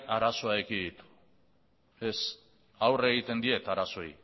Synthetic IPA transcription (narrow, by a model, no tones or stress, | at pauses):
aɾaso̞aekid̪it̪u̥ | e̞s | awre̞ɣ̞it̪e̞nd̪ie̞t̪aɾaso̞j